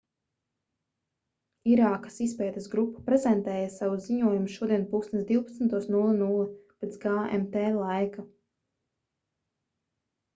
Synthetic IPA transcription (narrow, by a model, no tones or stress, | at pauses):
iɾaːkḁsispɛːt̪esɡɾupːḁpɾɛzɛnt̪ɛːjasawuziɲuɔjumuʃuɔd̪iɛnpuksnɛsd̪iwpḁt̪snt̪uɔsnulˠinulˠipet̪sɡaːḛmt̪ɛːlˠajka